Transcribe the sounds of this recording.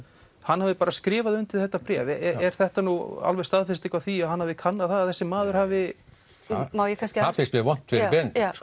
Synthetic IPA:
hanːhavɪpaːɾaskɾɪːvaðʏnt̪ɪlθɛht̪ːapɾɛːvɛɛɾ̥θɛht̪anua̰lvɛst̪aðfɪst̪ehkvaθiaðhanhavðɪkʰanːaðθaðaðθɛsːɪmaːðʏɾ̥haːvɪ | mawjɛkʰanscafɪst̪mɛvɔn̥t̪fɪɾpɛn

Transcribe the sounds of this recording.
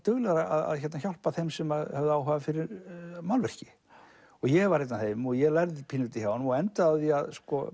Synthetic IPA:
t̪œɣlɛɣaɾaa̰ða̰ðçɛɾt̪naçjawl̥paθejmsɛmaðhœvðʏawɦavafɪɾɪɾmawlvr̥cɪ̥ | ɔɣjɛɣvaɾ̥hejt̪naθejmɔɣjɛɣlajɾðɪpʰinʏt̪ɪçjawnmɔɣɛnt̪aaθiaðskɔ̰

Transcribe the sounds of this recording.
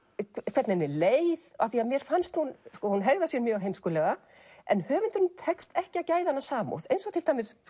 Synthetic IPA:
kʰkʰvɛɾt̪nɛnːɪlejðaθiaðmjɛɾ̥fanst̪hunskɔhunɦɛɣðasjɛmjœːɣɦejmskɔːlɛɣa | ɛ̰nhœːvʏnt̪ʏɾnʏmt̪ʰɛkst̪ɛhcɪaðcaːjðhanːasaːmo̰wθejnsɔwt̪ʰɪlt̪ʰajmɪs

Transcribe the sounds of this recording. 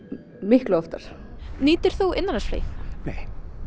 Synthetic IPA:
mɪhklʏɔft̪aɾ̥niːt̪ɪɾ̥θuʔɪnːanasflḛjθneːj

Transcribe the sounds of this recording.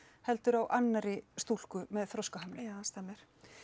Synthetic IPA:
hɛlt̪ʏɾawʔanːaɾɪst̪ul̥kʏmɛðθɾɔskaɦamlɪjaanst̪ɛmːɪɾ̥

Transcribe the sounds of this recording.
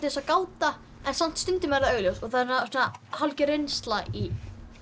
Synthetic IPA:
t̪ɪsakaːwt̪a | ɛnsam̥t̪st̪ʏnt̪ɪmɛɾðaœɣljowsɔɣθaðɾsnasunahalcɪɾejnst̪laʔi

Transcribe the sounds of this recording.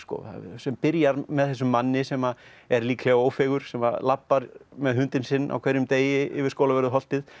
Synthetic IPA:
skɔ̰sɛmpɪɾjaɾmɛðθɛs̬ːʏmːanːɪsɛma | ɛɾliːkʰlaaoːwfɛɣʏɾ̥sɛma̰lapːaɾmɛðɦʏnt̪ɪnsɪnːʔa̰wkʰvɛɾjʏmt̪eːjɪɪ̰vɪɾskoːwlavɛɾðʏɦɔl̥t̪ɪð

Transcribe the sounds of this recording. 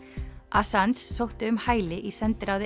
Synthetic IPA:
asant̪sːowht̪ɪʏmhaːjlɪʔisɛnt̪ɪɾawðɪ

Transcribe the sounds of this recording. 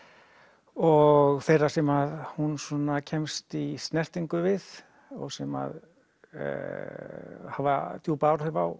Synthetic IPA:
ɔɣfejrasɛmaðhunsɔnacʰɛmst̪ist̪nɛr̥t̪iŋkʏvɪð | ɔ̰ɣsɛma̰ð̰ | hava̰t̪juːpaːwɾhʏvaw

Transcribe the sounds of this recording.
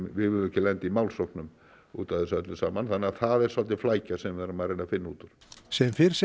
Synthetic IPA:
vɪɪlɛhcːɪlɛnt̪ɪimawlsɔwhknʏm | ṵːt̪aðɪsat̪lɪsa̰ːmanθanːɪaθaðɛɾ̥salt̪̬ɪflaːjcasɛmvɛɾamaðɾejnafɪnːauːt̪ʏɾ̥sɛmfɪɾ̥s

